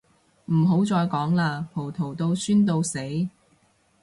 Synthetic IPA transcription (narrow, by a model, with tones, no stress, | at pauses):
m̩˨˩ɦo˨˥wt͡sɔː˧jkɔː˨˥ŋlaː˧pʰo˨˩wt̪ʰo˨˩wt̪o˧wsyː˥nt̪̬o˧wse˨˥j